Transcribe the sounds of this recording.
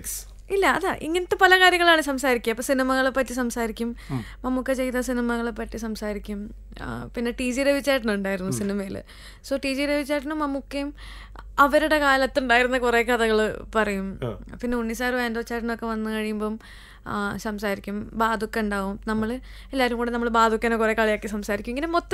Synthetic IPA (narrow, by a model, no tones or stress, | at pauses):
s | ilːɐːðaʔiŋːɐnɐt̪ːepɐlɐkaːɾjɐŋːɐɭaːɳɨsɐmsaːɾikʲːɐpːoːsinimɐɣɐɭpɐtːisɐmsaːɾikʲːummɐmːukːet͡ɕe̞jt̪ːɐsinimɐɣɐɭepːɐtːisɐmsaːɾikʲːum | pinːe̞ʈiːd͡ʑiɾeʋit͡ɕːaːjʈunːuɳɖaːjiɾunːusinimɐjil̰ | soːʈiːd͡ʑiɾeʋit͡ɕːaːjiʈ̬unːumɐmːukːejum | ɐʋɐɾuɽe̞kaːlɐt̪ːuɳɖaːjiɾunːɐkure̞ːkɐðɐɣɐɭpɐrɐjumpinːeuɳːisaːrʋeːnd̪oːt͡ɕːaːjʈunːokːe̞ʋɐnːɨkɐɻijumboːm | sɐmsaːɾikʲːumbaːd̪ʱukːɐuɳɖaːʋumnɐmːɐɭ | elːaːɾumkuːɽenɐmːɐɭbaːd̪ʱukʲːɐːnoːkurekaːɭijaːkːisɐmsaːɾikʲːmeŋɡinemot̪ː